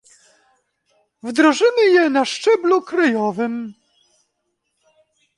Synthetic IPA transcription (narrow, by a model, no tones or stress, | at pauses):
vd̪ɾɔʐɘmɘjɛnaʂt͡ʂɛblukɾajɔvɘm